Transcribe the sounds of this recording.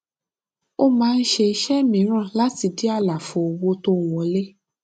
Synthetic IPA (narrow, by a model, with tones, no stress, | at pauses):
o˦mãː˨˦˧n̩˦ʃe˧i˧ʃɛ˦mĩ˨˦ɾ̃ã˦˨la˦ti˧di˦a˦˨la˨fo˧˨o˧wo˦to˦˨w̃ɔ̃˧˦le˦